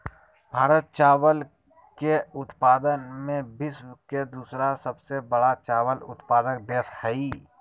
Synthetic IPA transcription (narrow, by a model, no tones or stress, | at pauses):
bʱaːɾət̪̚t͡ʃaːwəl | keʊt̪paːd̪ənmẽbɪsked̪uːsɾasɐbsebəɽat͡ʃaːʋəlʊ̰t̪paːd̪ək̚d̪eːshɛi